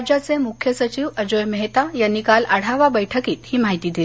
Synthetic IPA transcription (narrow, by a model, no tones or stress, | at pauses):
d͡ʑat͡semukʰjəsət͡ɕiʋəd͡ʑojməɦt̪ajanːikaləɽ̤aʋabəjʈʰəkiːt̪hiːmaɦit̪iːd̪il